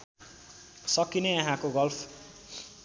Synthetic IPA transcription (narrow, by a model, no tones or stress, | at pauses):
sʌkineʌ̃ɦãkoɡʌlpʰ